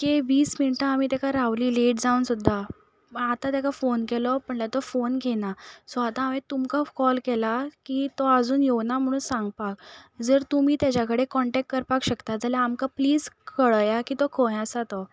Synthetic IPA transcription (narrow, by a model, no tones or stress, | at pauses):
keʋiːsminiʈãamiːt̪jakʰaɾaʋliːleʈd͡zaunsud̪ʱːa | at̪ãt̪jakafonkɛlɔpəɳlat̪ɔfonɡʱenasɔat̪ãːmẽt̪umkakɔlkɛlakit̪ɔad͡zuːnjewnam̤əɽ̃ũːnsãŋɡ̚pak̚d͡zəɾt̪um̤iːt̪jat͡ɕakəɽekɔɳʈɛk̚ʈkəɾpakɕəkt̪ad͡zalaːmkapliːd͡zkəɭjakiːt̪ɔkʰojãsat̪ɔ